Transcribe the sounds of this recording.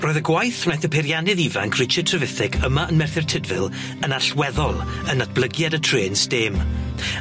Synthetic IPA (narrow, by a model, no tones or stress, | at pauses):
roːɨðəɡwajθnɛθəpʰɛɾjanɪðiva̰ŋkʰrɪt͡ʃʰətʰrəvɪθɪɡʰəmaʔənmɛrθɪrtʰɪdvɪlˠ | ənaɬwɛðɔlˠ | ənad̚b̥lˠəɡjadətʰreːnstɪm